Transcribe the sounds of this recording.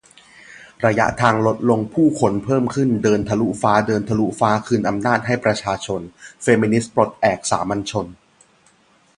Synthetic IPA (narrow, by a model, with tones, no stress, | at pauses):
ɾa˧ja̰˦˥ʔt̪ʰaː˧ŋlo˦˥t̪̚lo˧ŋpʰuː˥˩kʰo˧npʰɤː˥˩mkʰɯ˥˩ndɤː˧nt̪ʰa˧lu˦˥faː˦˥dɤː˧nt̪ʰa˧lu˦˥faː˦˥kʰɯː˧nʔa˧mnaː˥˩t̪̚ɦa˥˩jpɾa˧t͡ɕʰaː˧t͡ɕʰo˧nfeː˧˥mi˧ni˦˥spɾo˨˩t̪̚ʔɛː˨˩k̚sa̰ː˩˦ma˧nt͡ɕʰo˧n